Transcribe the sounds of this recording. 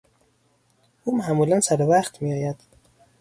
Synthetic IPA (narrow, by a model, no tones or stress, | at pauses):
uːmæːmuːlænsæɾevæχt̪mijɒːjæd̪̥